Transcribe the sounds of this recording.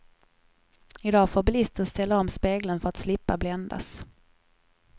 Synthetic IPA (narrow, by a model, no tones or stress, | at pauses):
ɪd̪ɑːfoːɾbɛlɪst̪ənst̪ʰɛlːaɔmspeːɡlənfœɾat̪slɪpːablɛnd̪a̰s